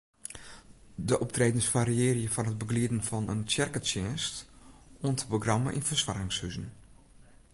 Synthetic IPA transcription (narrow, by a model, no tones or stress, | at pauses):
dəʔɔp̚treːdənsfaːɾiɪːrjəfɔnɦəd̚bəɡliədn̩fɔnəntjɛrkət͡ʃɛːnstoəntʰə̥poɡramə̰ʔinfərsʋarɪŋshyzən̩